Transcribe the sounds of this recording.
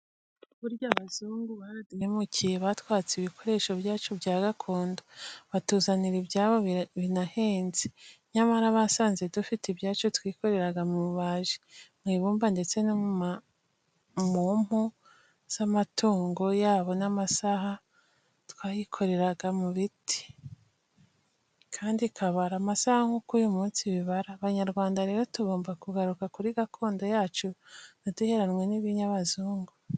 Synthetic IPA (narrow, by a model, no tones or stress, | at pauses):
uβuɾɟaβazuːŋɡuβaɾaduemucʰijeβatwaːt͡seiβikʰo̞ɾe̞ːʃo̞bjaːt͡ʃubjaːɡakʰo̞ːndoβatuːzaniɾibjaːβo̞βinahe̞ːnzi̥ɲamaɾaβasaːnze̞dufitibjaːt͡ʃotwiːko̞ɾe̞ɾaɡamuɾuβaʒimŋiːβuːmbande̞t͡se̞no | mom̥o | z̥amatuːŋɡo̞jaːβo̞namasaɦa | twaːjikʰo̞ɾe̞ɾaɡamuβitʰi̥ | kʰaːndikʰaβaɾamasahaŋhukujumuːnsiβiβaɾaːβaɲaɾɡwaːndaɾe̞ːɾo̞tuɡo̞ːmbakuɡaɾukakuɾiɡakʰo̞ːndo̞jaːt͡ʃunoduhe̞ɾanwe̞niβiɲaβazuːŋɡo